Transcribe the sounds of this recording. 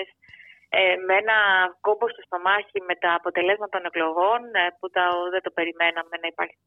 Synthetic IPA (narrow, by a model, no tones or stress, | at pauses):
s | emeenɐko̞bo̞sc̪e̞st̪o̞mɐçime̞t̪ɐːpo̞t̪e̞le̞zmɐt̪ɐt̪o̞ne̞klo̞ɣo̞nput̪ɐðed̪o̞pe̞ɾime̞nɐme̞nɐipɐɾçi̥